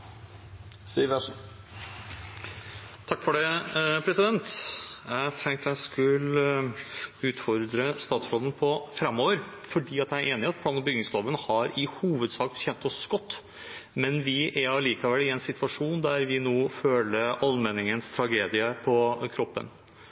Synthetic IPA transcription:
siːʋæʂ | t̪ʰɑkːfɔɖɛpʰɾɛsɪd̪ɛnt̪jæɪt̪ʰɛŋk̚t̪jæɪskʉl | ʉːt̪fɔɾd̪ɾəst̪ɑːt̪sɾoːd̪ən̩pʰɔfɾɛmːoːʋəɾfɔɖiːɑt̪jææɾʔeːnɪɑt̪̚pʰlɑːnbʏɡnɪŋsloːʋənhɑɾɪhuːʋəd̪sɑːk̪çɛnt̪ɔsɡ̥ɔt̪ː | mɛnʋɪʔæɾɑʋliːkɑʋɛlːɪɛnsɪt̪ʋɑʂuːnd̪æɾʋɪnoːføːləʔɑlmɛnːɪŋənst̪ʰɾɑɡeːd̪ɪəpʰɔkʰɾɔpːə̰n

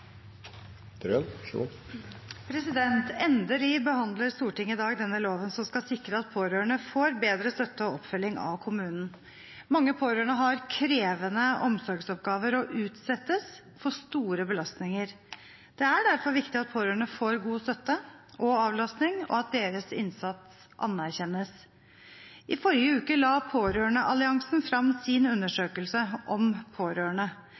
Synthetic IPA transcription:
ɾønṵ | pʰɾɛsɪd̪ɛnt̪ɛnd̪əliːbəhɑnd̪ləɾst̪uːʈɪŋɪd̪ɑːɡd̪ɛnːəloːʋənsɔmskɑsɪkɾəɑt̪̚pʰoːɾøːəɳəfoːɾbeːd̪ɾəst̪œt̪ːəɔɔpːfœlːɪŋɑ̰ʋkʰʊmʉːnn̩ | mɑŋːəpʰoːɾøːəɳəɦɑɾkʰɾeːʋənəʔɔmsɔɾɡsɔp̚ɡɑːʋəɾɔʔʉːt̪sɛt̪ːəs | fɔʂt̪uːɾəbəlɑst̪nɪŋəɾ | d̪̥ɛæɖæɾfɔɾʋɪkt̪ɪɑt̪̚pʰoːɾøːɳəfoːɾɡuːst̪œt̪ːəʔɔɑːʋlɑsnɪŋɔ̰ɑt̪̚d̪eːɾəsɪ̰nsɑt̪s | ʔɑ̰næɾçɛnːəs | ʔɪfɔɾjəʉːkəlɑːpʰoːɾøːɳəʔɑlɪɑŋsnfɾɑmsɪnʉnːəʂøːkəlsəʔɔmpʰoːɾøːəɳə

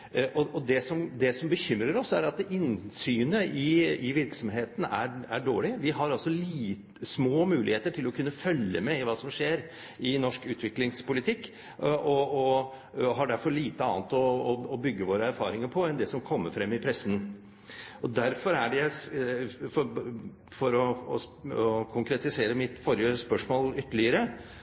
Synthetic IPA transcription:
ʔɔʔɔd̪ɛsɔmd̪ɛsɔmbəçʏmɾəɾɔsæɾɑt̪ɪnsyːnəɪɪʋɪɾksɔmɦeːt̪ən̩æ̰æɖo̰ːɭɪʋɪɦɑɾɑlsɔliːt̪ | smoːmʉːlɪ̰heːt̪əʈʰɪlɔkʰʉnːəfœlːə̰mɛɪʋɑːsɔmʂeːɾ | ɪnɔʂkʉːt̪ʋɪklɪŋspʊlɪt̪ʰɪkː | ʔɔɔ | ɦɑɖæɾfɔɭiːt̪əɑ̰ːnt̪ɔːbʏɡːəʋoːɾəæɾfɑːɾɪŋəɾpʰɔɛnd̪ɛsɔmkʰɔmːəɾfɾɛmːɪpʰɾɛsən̩ | ɔd̪æɾfɔɾæɖɛæ | fɔ | fɔɾɔ | kʰʊŋkɾɛt̪ɪseːɾəmɪt̪fɔɾjəspœʂmoːlʏt̪ːəɭɪəɾə

